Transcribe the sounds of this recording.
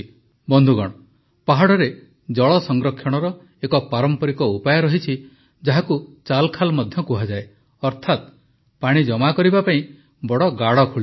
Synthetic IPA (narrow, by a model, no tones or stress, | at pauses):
bɔnd̪ʱuɡɔɽ̃ɔ | paɦaɽɔɾe | d͡ʒɔɭɔsɔŋɡɾɔkʰjɔɽ̃ɔɾɔ | ekɔpaɾɔmpɔɾikɔupajɔɾɔɦit͡ʃʰi | d͡ʒaɦakut͡ʃalkʰalmɔd̪ʱjɔkuɦad͡ʒae | ɔɾt̪ʰat̪ | paɽ̃id͡ʒɔmakɔɾibapaĩ | bɔɽɔɡaɽɔkʰuɭi